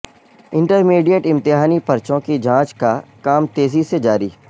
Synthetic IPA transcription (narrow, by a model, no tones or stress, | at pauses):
ɪ̃ɳʈəɾmiːɖijəʈɪ̃mt̪ɪɦaːnipɐɾt͡ʃõkid͡ʒʱãːt͡ʃkakaːmt̪eːzised͡ʒaːɾḭː